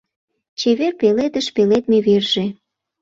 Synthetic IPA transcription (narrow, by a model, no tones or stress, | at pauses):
t͡ɕeβerpeled̪ə̆ʃpelet̪meβerʒ̥e